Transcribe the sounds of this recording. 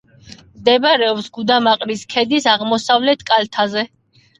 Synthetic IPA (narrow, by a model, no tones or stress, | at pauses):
md̪ɛbɾɛɔpsɡud̪amaqʼɾiskʰɛd̪isaʁmɔsavlɛt̪ʰkʼalt̪ʰazɛ